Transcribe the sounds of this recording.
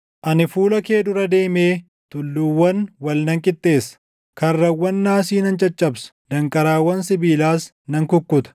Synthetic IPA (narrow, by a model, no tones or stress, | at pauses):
ʔɐnɪfuːlɐke̞ːd̪ʊɾɐd̪e̞ːme̞ː | t̪ʊlːʊwːɐnwɐlnɐŋkʼɪt̪ʼːe̞ːsɐ̥ | kɐrːɐwːɐnːaːsiːnɐnt͡ʃʼɐt͡ʃʼːɐbsʊ̥d̪̥ɐŋkʼɐɾaːwːɐnsɪbiːlaːs | nɐŋkʊkːʊt̪ɐ̥